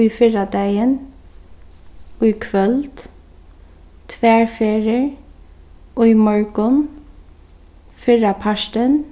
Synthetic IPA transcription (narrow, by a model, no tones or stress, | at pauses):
ʊjfɪɹad̪æjən | ʊjkʰʋœlt̪ | t̪ʰʋæːɹfeːɹɪɹ | ʊjmɔɹkʊn | fɪɹapʰaʃtən